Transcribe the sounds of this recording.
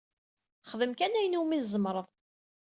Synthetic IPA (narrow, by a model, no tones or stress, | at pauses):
χəðəmkænæjnuminzəmɾˤəðˤ